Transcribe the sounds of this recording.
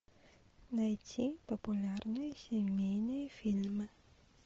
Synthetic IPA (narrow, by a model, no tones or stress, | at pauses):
nɐjtʲipɔpʊlʲarnɔjisʲemʲejnɔjɛfʲilʲmɨ